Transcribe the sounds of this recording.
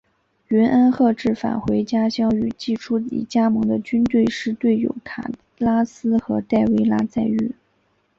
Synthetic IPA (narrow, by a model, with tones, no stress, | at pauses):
ɥɛ˧˥nʔə˥nxɤ˥˧ʈ͡ʂɻ̩˥˩fa̰˨˩nxwe˧˥ɪt͡ɕja˥ɕjɑ˥ŋy˨˩t͡ɕi˥˩ʈ͡ʂʰu˥ḭ˨˩t͡ɕja˥mɤ˧˥ŋd̪ə˧t͡ɕy˥nt̪we˥˧ɪʂɻ̩˥˧t̪we˥˩ɪjo̰˨˩ʊkʰa̰˨˩ | la˥sɹ̩˥xɤ˧˥t̪a˥˩ɪwe˥ɪla˥t͡sa˥˧ɪy˥˩